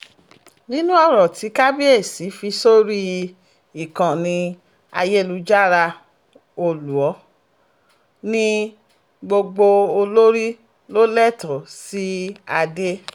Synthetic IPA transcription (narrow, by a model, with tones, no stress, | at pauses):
nĩ˦nũ˦ɔ˦˨ɾɔ˨ti˨˦ka˦bi˦e˦˨si˨˦fi˧so˦ɾi˦ | i˨kã˨nĩ˧ | a̰˧je˦˨lu˧˦d͡ʒa˦˨ɾa˧ | o˦˨lu˨ɔ˨˦ | nĩ˦ | ɡ͡bo˧ɡ͡bo˧o˧lo˦ɾi˦ | lo˦lɛ˦˨tɔ˨si˦a˧de˦